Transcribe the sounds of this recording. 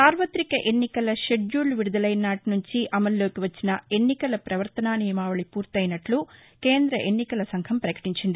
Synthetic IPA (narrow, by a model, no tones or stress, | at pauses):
saːɾʋɐt̪ɾikɐʔenːikɐlɐʃeɖjuːlʋiɽud̪ɐlɐjnaːʈnuɲt͡ʃiʔɐmɐlːoːkeʋɐt͡ʃːinɐe̞nːikɐlɐpɾɐʋɐɾt̪ɐnaːnijɐmaːʋɐɭipuːɾt̪ɐjnɐʈlu | keːnd̪ɾɐʔenːikɐlɐsɐŋkʰɐmpɾɐkɐ̥ʈiɲt͡ʃind̪i